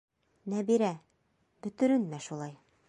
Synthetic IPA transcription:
næbiɾæ | bɵ̆t̪ɵ̆ɾɘ̆nmæʃulˠɑj

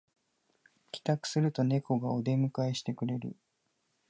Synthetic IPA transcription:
kʲi̥t̪akɯ̟̥sɨɾɯ̟t̪o̞ne̞ko̞ɡaod̪e̞mɯ̟kaeɕi̥t̪e̞kɯ̟ɾe̞ɾɯ̟̰

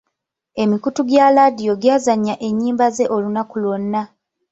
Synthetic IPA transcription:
e̞mikutuɡjaːladijo̞ɡjaːzaɲːaʔe̞ɲːiːmbaze̞ʔo̞lunakulonːa

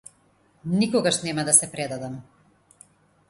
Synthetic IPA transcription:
nikɔɡaʃnɛmad̪asɛpɾɛd̪ad̪am

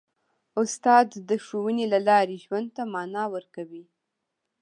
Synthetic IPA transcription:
ʊst̪ɑd̪ːəʃowənelalɑɾeʒwand̪̚t̪amɑnɑwəɾkawi

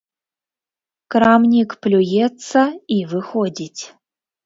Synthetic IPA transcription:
kɾamnʲikplʲujɛt͡sːɐivɨxodʲitʲ

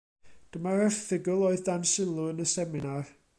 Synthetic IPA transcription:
d̥əmaɾɛrθɪɡʊlˠoːɨðdansɪlˠʊənəsɛmɪnar

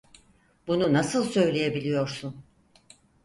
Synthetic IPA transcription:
bununasɯlˠsø̞jlʲe̞je̞bilʲijo̞ɾsun

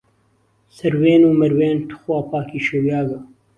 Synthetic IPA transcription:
sɐɾweːnuːmɐɾweːnt̪ʰʊ̥xwaːpaːkiːʃewjaːɡɐ

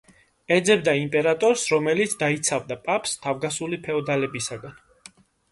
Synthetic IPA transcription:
ɛd̪zɛb̚d̪aimpʼɛɾat̪ʼɔɾsɾɔmɛlit̪sʰd̪ait̪sʰavd̪apʼapʰst̪ʰavɡasulipʰɛɔd̪alɛbisaɡan

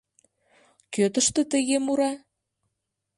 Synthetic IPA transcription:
køt̪ə̆ʃt̪ə̆t̪ə̆ɣemuɾɑ

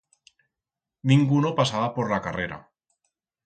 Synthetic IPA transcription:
nĩŋɡunopasaβapoɾlakareɾa̰

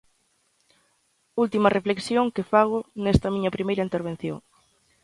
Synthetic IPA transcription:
ult̪imɐrefleksjoŋkɪfaɣ̞ʊnɛst̪ɐmĩɲɐpɾimejɾɐint̪eɾβ̞en̟θjo̰ŋ

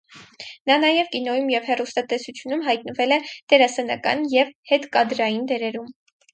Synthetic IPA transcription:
nɑnɑjɛvkinɔjumjɛvhɛrust̪ɑt̪ɛsut͡sʰjunumɦɑjt̪̚nəvɛlɛd̪̥ɛɾɑsɛnɑkɑ̰njɛvhɛt̪kɑd̪ɾɑjind̪ɛɾɛɾum

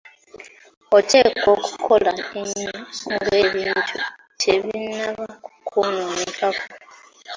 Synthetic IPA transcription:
otʰe̞ːkoku̥kʰolaeɲːaŋɡweβiːntʰu | tʰeβinːaβakukʰononikako̥

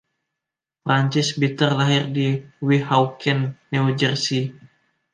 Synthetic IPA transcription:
fɾaɲt͡ʃɪsbit̪ərlaɦɪrdiwiɦawkʰɛnːiud͡ʒərsi

